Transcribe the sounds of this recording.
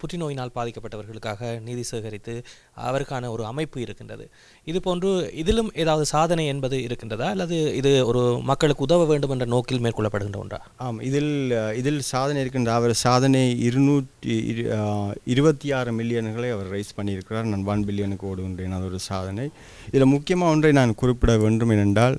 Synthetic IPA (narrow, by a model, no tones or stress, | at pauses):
pʊʈrɪnoːjɪnaːlbaːðɪkːɐpːɐʈːɐʋɐɾɣɐɭɯkːaːɣɐniːðɪseːɣɐɾɪt̪ːɯ | ɐ̰ʋɐɾɯkːaːnɐɔɾɯɐmɐɪpːɯɪɾɯkːɪndrɐ̰ðɯ̰ | ɪðɯpoːndrɯɪðɪlɯmeːðaːʋɐðɯsaːðɐnɐɪɛnbɐðɯɪɾɯkːɪndrɐðaːɐlːɐðɯɪðɯɔɾɯmɐkːɐɭɯkːɯʊðɐʋɐʋeːɳɖɯmɛndrɐnoːkːɪlmeːɾkɔɭːɐpːɐɽɯɣɪndrɐɔ̰ndra̰ːaːmɪðɪlɪðɪlsaːðɐnɐɪɪɾɯk̬ːɪndraːɐʋɐɾsaːðɐnɐɪɾɯnuːʈ | ɪɾɯbɐt̪ːijaːɾɯmɪlːɪjɐnɣɐɭɐɪɐʋɐɾɾɐɪspɐɳːɪjɪɾɯkːɪraːɾnaːnʋɐnmɪlːɪjɐnɯkːɯoːɽɯɣɪndrɐɛnːɐðɔɾɯsaːðɐnɐɪ | ɪðɪlɐmʊkːɪjɐmaːɔndrɐɪnaːnkʊrɪpːɪɽɐʋeːɳɖɯmɛnːɛɳɖaːl